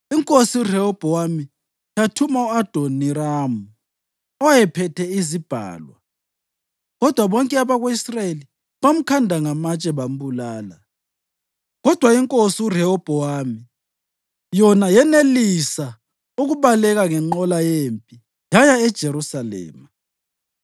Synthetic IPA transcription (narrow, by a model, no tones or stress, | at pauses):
iŋkʼosiurɛɔb̥ʱɔwami | jatʰumauad̥ʱoniraːmu | ɔjɛpʰɛtʰɛizib̥ʱa̰ːlwa̰ | ɣɔd̥ʱwaβɔŋkʼɛaβaɣweisraeli | βam̩kʰandʱaŋamat͡ʃʼɛβam̩bulaːla | ɣɔd̥ʱwaiŋkʼosiurɛhɔb̥ʱɔwaːmi | jɔnajɛnelisa | uɣuβalɛɣaŋɛŋ͡ǃɔlajempʼi | jajaɛd̥ʒ̥ʱeɾusalɛ̰ːma